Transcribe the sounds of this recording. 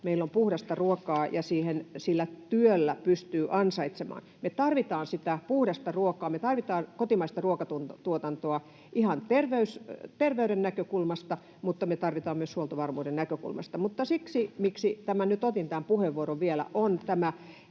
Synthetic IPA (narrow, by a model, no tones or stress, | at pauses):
meilːompuhdɑst̪ɑruokɑːjɑsiːhensilːæt̪yølːæpyst̪yːʔɑnsɑit̪semɑ̰ːnmet̪ɑrʋit̪ɑːnsit̪æpuhɾɑst̪ɑruokˑɑːmet̪ɑrʋit̪ɑːnkot̪imɑist̪ɑruokɑt̪untt̪uot̪ɑnt̪oɑ | ʔihɑnt̪erʋeyst̪erʋeyɾennækøkulmɑst̪ɑ | mut̪ːɑmet̪ɑrʋit̪ɑːmmyøshuolt̪ɑʋɑrmuːdennækøkṵlmɑ̰st̪ɑmut̪ːɑsiksimiksit̪æmænyt̪ot̪int̪æmpuheʋːuoɾoʋʋielæ̰ʔont̪æmæ